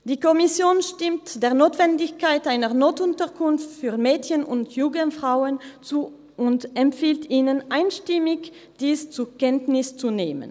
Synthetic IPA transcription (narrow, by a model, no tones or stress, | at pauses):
d̥iːkɔmɪsjoːnʃtɪmtd̥eːɐnoːtv̥ɛndɪçkaɪtʔaɪnəʁnoːtʊntəʁkʰʊnftfyːɐmɛːtçənʊ̰ntʰjuːɡənfʁ̥aʊənt͡suː | ʔʊntɛmtfiːltiːnənʔaɪnʃtɪmɪç | d̥iːst͡sukɛntnɪst͡suneːmə̰n